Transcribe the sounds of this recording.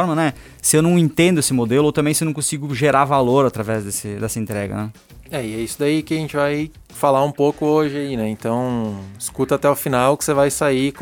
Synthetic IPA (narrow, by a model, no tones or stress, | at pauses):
ɔɾmɐnɛ | sɪewnɐ̃w̃ẽnt̪ẽnd̪ʊesɪmod̪elʊowt̪ɐ̃bẽj̃sɪewnɐ̃kõsiɡʊʒeɾaɾvaloɾat̪ɾavɛzd̪esɪd̪ɛsɐẽnt̪ɾɛɡɐ̰nɛ | ɛɪɛisʊd̪aikɪaʒẽnt͡ʃɪvaj | falaũpokʊoʒɪainɛẽnt̪ɐ̃w̃ɪskut̪ɐat̪ɛʊfinawkɪ̥sevajsai